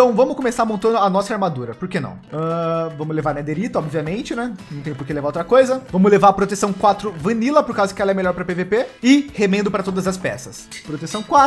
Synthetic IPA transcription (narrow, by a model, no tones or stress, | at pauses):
t̪ɐ̃w̃vɐ̃mʊskõmesaɾmõnt̪ɐ̃nd̪ʊanɔsɐaɾmad̪uɾɐpoɾkenɐ̰̃w̃ɐvɐ̃mʊlevaɾned̪eɾit̪ʊɔbviɐmẽnt͡ʃɪnɛnɐ̃w̃t̪ẽjʊ̃poɾkelevaɾowt̪ɾɐkojzɐvɐ̃mʊzlevaɾɐpɾot̪esɐ̃w̃kwat̪ɾʊvɐ̃nilɐpoɾkazʊdʊkɪɛlɐɛmeʎɔɾpɾɐpevepeɪhemẽnd̪ʊpɾɐt̪od̪ɐzɐspɛ̰sɐs | pɾot̪esɐ̃w̃kwat̪